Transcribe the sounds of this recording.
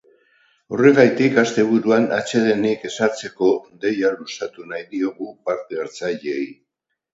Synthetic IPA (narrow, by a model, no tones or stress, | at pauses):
o̞re̞ɣajt̪ikast̪e̞β̞uɾuana̰t͡ʃe̞ðe̞nike̞saɾt͡se̞ko̞d̪e̞jalusat̪unajðio̞ɣupaɾt̪eeɾt͡saʎej